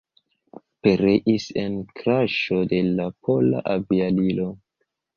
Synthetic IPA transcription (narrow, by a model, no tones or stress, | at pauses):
peɾeʔise̞nkɾaʃo̞de̞lapʰo̞la̰ʔavialilo